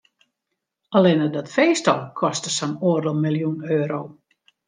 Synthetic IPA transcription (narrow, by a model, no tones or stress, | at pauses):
alɪnədɔtfeːstɔlˠkʰɔstəsɔnoərdəlˠmilˠjunøːɾow